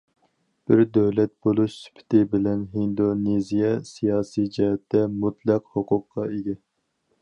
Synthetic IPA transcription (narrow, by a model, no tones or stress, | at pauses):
b̥ɪɾd̪øwlɛt̪̚b̥olˠuʃsy̥pʰɪ̥t̪ʰɪbɪlɛnɦind̪onezijɛsijɑːsid͡ʒɛɦɛt̪ːɛmut̪ʰlˠæqhoqʰʊqʰːɑeɡʲɛ